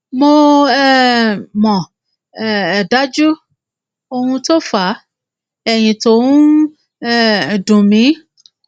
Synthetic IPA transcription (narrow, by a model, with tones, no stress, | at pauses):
mo˧ɛ˦˨mɔ̃˨ | ɛ˨da˨˦d͡ʒu˦ | o˧hũ˧to˦fa˨˦ | ɛ˨j̃ĩ˨to˨˦ũ˦˨ | dũ˨mĩ˨˦